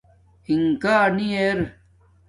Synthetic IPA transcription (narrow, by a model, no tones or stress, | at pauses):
iŋkaːnieɾ